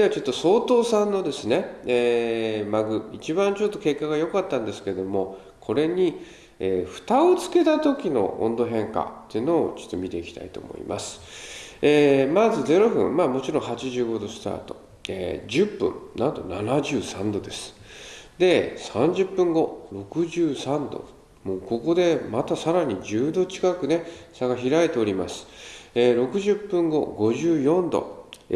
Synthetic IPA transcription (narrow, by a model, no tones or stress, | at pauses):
d̪eat͡ɕo̞t̪ːo̞so̞ːt̪o̞ːsãnːo̞d̪e̞sɨne̞eːmaɡɯ̟it͡ɕibãɲt͡ɕot̪ːo̞ke̞kːaɡajo̞kat̪ːãnd̪e̞sɨ̥ke̞d̪o̞mo̞ | kʰo̞ɾe̞ɲ̟i | eːɸɯ̟̥t̪aot͡sɨ̥ke̞t̪at̪o̞kʲino̞̰ʔõ̰nd̪o̞ɦẽ̞ŋka̰t̪ːeːno̞ːt͡ɕo̥t̪ːo̞mʲit̪e̞ikʲi̥t̪a̰it̪o̞̰ːmo̞̰ḭmʔa̰sɨ̥emazɨze̞ɾo̞ɸɯ̟̰̃mmaːmo̞t͡ɕiɾõ̞ɰ̃ɦat͡ɕiʑɨːɡo̞d̪o̞sɨ̥t̪a̰ːt̪o̞̥ | ḛːd͡ʑɨpːɯ̟̰̃ɴnãnt̪o̞̰nanaʑɨːsãnd̪o̞d̪e̞sɨ̥d̪e̞sãɲ̟d͡ʑɨpːɯ̟̃ŋɡo̞ɾo̞kɯ̟ʑɨːsãnd̪o̰ | moːko̞ko̞d̪e̞mat̪asaɾaɲ̟id͡ʑɨːd̪o̞t͡ɕi̥kakɯ̟ne̞saɡaçiɾaet̪e̞o̞ɾʲimasɨ̥eːɾo̞kɯ̟ʑɨpːɯ̟̃ŋɡo̞̰ɡo̞ʑɨːjõ̞nd̪o̞̰